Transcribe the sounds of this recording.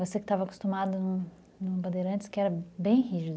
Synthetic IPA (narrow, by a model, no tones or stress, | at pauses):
vosekɪ̥t̪avɐko̥st̪umad̪ʊnũ | nũbɐd̪eɾɐ̃nt͡ʃɪ̥skɪɛɾɐbẽj̃hiʒɪd̪